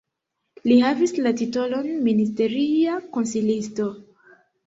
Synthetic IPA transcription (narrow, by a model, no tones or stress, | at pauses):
lihavislatito̞lo̞nministe̞ɾiako̞nsilisto̞